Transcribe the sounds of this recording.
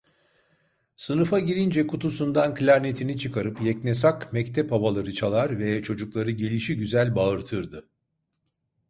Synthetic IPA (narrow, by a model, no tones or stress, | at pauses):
sɯnɯfaɟiɾʲind͡ʒɛkut̪ʰusund̪anklʲaɾnet̪ʰinit͡ʃʰɯkʰaɾɯpjɛcnesakmɛct̪ʰɛphaβalˠaɾɯt͡ʃʰalˠaɾvɛt͡ʃʰo̞d͡ʒuklˠaɾɯɟe̞lʲiʃiɟyzælʲbaɯɾt̪ʰɯɾd̪ɯ